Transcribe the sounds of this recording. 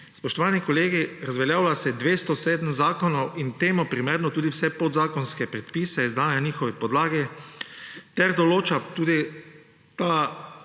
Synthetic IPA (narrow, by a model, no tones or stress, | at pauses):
spɔʃt̪ɔʋaːnikɔleːɡiɾazʋɛljaːwlasɛd̪ʋeːst̪ɔseːd̪əmzaːkɔnɔwint̪eːmɔpɾimeːɾnɔt̪uːd̪iwsɛpod̪zaːkɔnskɛpɾɛt̪piːsɛizd̪aːnjaniːxɔʋɛpɔd̪laːɡɛ | t̪ɛɾd̪ɔloːt͡ʃat̪uːd̪i | t̪a